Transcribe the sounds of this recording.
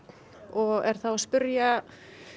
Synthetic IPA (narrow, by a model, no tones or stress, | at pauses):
n | ɔɣɛɾ̥θawaspʏɾja